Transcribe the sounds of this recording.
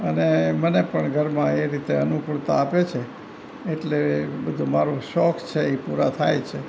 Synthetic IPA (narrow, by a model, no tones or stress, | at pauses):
ənemənepəɳɡʱəɾmãeɾit̪eənupuɭt̪aːpet͡ʃʰeː | ʈlebəd̪ʱumaɾũʃɔkt͡ʃʰeipuɾat̪ʰa̰jt͡ʃʰe